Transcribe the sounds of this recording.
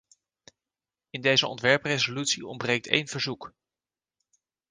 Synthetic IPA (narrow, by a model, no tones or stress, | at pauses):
ɪndejzəɔ̰ntʋɛɹprejzolytsiɔ̰mbrejk̚tḛjnv̥əɹzuk